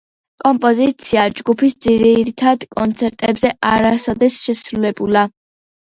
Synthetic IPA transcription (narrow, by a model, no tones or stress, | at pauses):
kʼɔmpʼɔzit̪sʰiad͡ʒɡupʰisd̪ziɾiɾit̪ʰad̪kʼɔnt̪sʰɛɾt̪ʼɛbzɛʔaɾasɔd̪ɛsʃɛsɾulɛbula